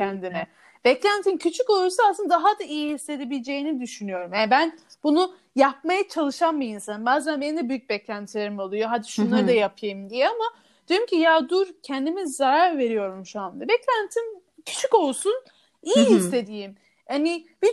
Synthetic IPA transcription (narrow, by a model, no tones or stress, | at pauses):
ɛnd̪inɛ | bɛclʲænt̪ʰincʰyt͡ʃʰykolˠuɾsaasɯnad̪aɦad̪aʔijihisːe̞d̪e̞bilʲed͡ʒe̞jinid̪yʃynyjo̞ɾumjabænbunu | jap̚majat͡ʃʰalˠɯʃanmɯjinsanɯmbaːzænbenind̪ɛbyjyc̚bɛclʲænt̪ʰilʲeɾimalˠujo̞ɦad̪iʃunlˠaɾɯd̪ajapʰjajɯmd̪ijɛama | d̪̥joɾumcʰijad̪uɾcʰɛnd̪imizːaɾaɾve̞ɾijo̞ɾumʃuand̪abɛclʲænt̪ʰin | cʰy̥t͡ʃʰyko̞lˠsun | ijiɦisːe̞d̪ijim | hanib̥i